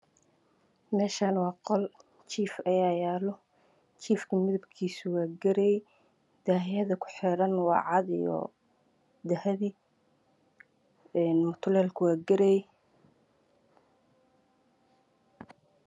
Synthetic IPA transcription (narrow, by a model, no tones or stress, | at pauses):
mɛːʃaːnwɑːqɔl | t͡ʃʰiːfɐjaːjaːlɔ | t͡ʃʰiːfkʰɐmɪðɐbkʰiːsʊwɑːɡɐɾɛɛ | d̪̥aːɦɪjɐðɐkʰʊ̥ħɪɾɐnwɑ̰ːʕɑd̪ijɔ̰ | d̪ɐhɐði | ɛːnmʊt̪ʰʊlɛːlkʰʊwaːɡɐɾɛjɛ